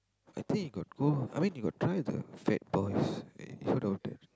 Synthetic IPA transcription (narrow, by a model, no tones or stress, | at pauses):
ʔajt̪ʰĩŋkhiɡɔt̚ɡolajmĩnhiɡɔ̰t̚tʰːɹajdə̰fɛ̰t̚bɔjsḭfododɛ̰t̚